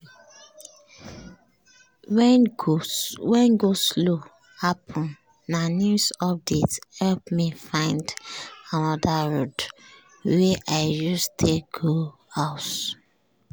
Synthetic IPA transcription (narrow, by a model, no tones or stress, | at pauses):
wɛ | wɛ̃nɡoslo | hapʰʊ̃n | nanjusɔp̚dethɛlpmifãɪ̃ndanɔdaɹod | weʔaɪd͡ʒɔstʰek̚ɡohaʊt